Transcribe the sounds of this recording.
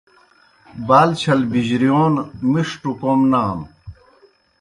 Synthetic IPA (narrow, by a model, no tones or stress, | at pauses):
baːlt͡ɕʰɐlbiʑɾijoːnmiʂʈukomnaːm